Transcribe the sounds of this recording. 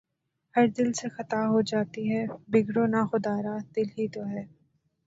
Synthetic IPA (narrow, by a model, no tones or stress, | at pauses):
hɐɾd̪ɪlsexɐt̪aɦod͡ʒaːt̪iɦɛːbɪɡɽonaxʊd̪aːɾad̪̥ɪlɦit̪oɦɛː